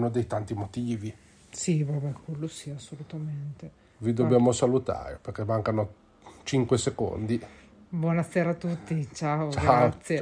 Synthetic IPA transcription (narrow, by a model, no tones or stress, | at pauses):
nod̪ejt̪ant̪imot̪iːvi | sivabɛkwelːosiasːolut̪ament̪e | vid̪objaːmosalut̪a̰ːɾeperkemːaŋkano | t͡ʃiŋkweseko̰nd̪i | bwɔnaseːɾaːt̪ːut̪ːit͡ʃaot͡ʃɡaaot̪sːje